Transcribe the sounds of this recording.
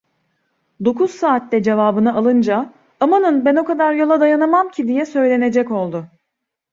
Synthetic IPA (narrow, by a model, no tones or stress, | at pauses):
d̪o̞kʰuz̥saːt̪lɛd͡ʒe̞vaːbɯnaːlˠɯnd͡ʒa | amanɯnbɛno̞kad̪aɾjo̞lˠad̪ajanamamcʰid̪ijɛsø̞jlʲe̞ne̞d͡ʒɛco̞lˠd̪ʊ